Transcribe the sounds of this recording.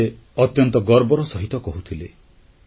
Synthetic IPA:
e | ɔt̪jɔnt̪ɔɡɔɾbɔɾɔsɔɦit̪ɔkɔɦut̪ʰile

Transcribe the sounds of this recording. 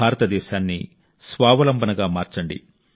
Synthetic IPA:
aːɾɐt̪ɐd̪ɛːʃaːnːḭ | sʋaːʋɐlɐmbɐnɐɡaːmaːɾt͡ʃɐɳɖḭ

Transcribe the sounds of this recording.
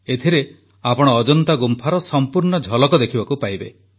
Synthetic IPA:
et̪ʰiɾe | apɔɽ̃ɔːd͡ʒɔnt̪aɡumpʰaɾɔsɔmpuɾɳɔd͡ʒʱɔlɔkɔd̪ekʰibakupajbḛ

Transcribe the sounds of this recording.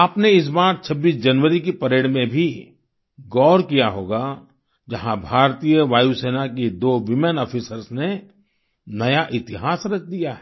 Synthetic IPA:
aːpneɪs̬baːɾt͡ʃʰɐbːiːs̬d͡ʒɐnʋəɾikepɐɾeːɽmẽbʱi | ɡɔːɾkijaɦoːɡa | d͡ʒɐɦãbʱaːɾt̪ijəʋaːjuseːnakid̪oːʋɪmɛ̃nɔːfʰisəɾsne | nɐjaʔɪt̪ɪɦaːsɾɐk̚ʰd̪ijaɦɛ

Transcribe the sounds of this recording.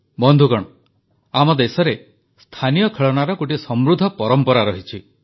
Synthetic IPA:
bɔnd̪ʱukɔɽ̃ | amɔd̪esɔɾe | st̪ʰanijɔkʰeɭɔnaɾɔkoʈisɔmɾud̪ʱːɔpɔɾɔmpɔɾaɾɔɦit͡ʃʰi

